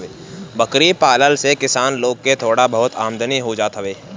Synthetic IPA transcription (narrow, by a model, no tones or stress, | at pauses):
eː | bəkɾipaːləlsekɪsaːnloːɡ̚ket̪ʰoːɽabɐɦʊt̪ʰaːmd̪əniɦod͡ʒaːt̪ɦəʋeː